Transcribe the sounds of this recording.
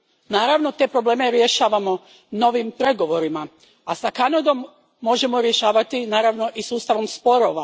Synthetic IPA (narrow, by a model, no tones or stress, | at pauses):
naːɾaʋno̞t̪e̞ːpɾo̞ble̞ːme̞ɾje̞ʃaːʋamo̞ | no̞ʋimpɾe̞ɡo̞ʋo̞ɾima | asakanad̪o̞mː | o̞ʒe̞mo̞ɾje̞ʃaːʋat̪inaːɾaʋno̞ʔisuːst̪aʋo̞mspo̞ɾo̞ʋa